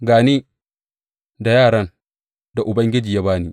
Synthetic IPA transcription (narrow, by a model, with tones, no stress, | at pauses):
ɡaː˨ni˦ | da˨jaː˦˨ɽɐ˦n | da˨ʔʊ˨bɐ˦ŋɡʲɪ˦d͡ʒiː˨ja˦baː˦ni˦